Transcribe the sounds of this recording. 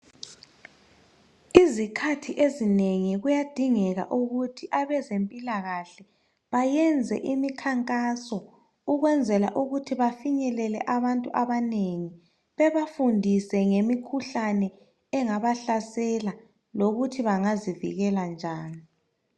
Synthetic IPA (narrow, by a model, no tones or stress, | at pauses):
izikʰatʰiʔezineŋiɣujad̥ʱiŋɛɣa̰ʔuɣutʰiʔaβɛzempʼilaɣaɬɛ | βajɛnd͡zʱɛ̰ʔimikʰaŋkʼasɔ | uɣwɛnd͡zʱɛla̰ʔuɣutʰiβafiɲɛlɛlɛ̰ʔaβantʼuʔaβaneŋi | βɛβafundʱisɛŋemikʰuɬanɛː | ŋaβaɬasɛla | loɣutʰiβaŋazivḭɣɛland͡ʒʱaːni